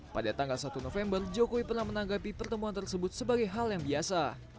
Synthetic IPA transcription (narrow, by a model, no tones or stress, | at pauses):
padat̪aŋɡalsat̪unofɛmbərd͡ʒokowipərnahmənaŋɡapipərt̪əmuant̪ərsəbʊt̪̚səbaɡajɦaljaŋbiasa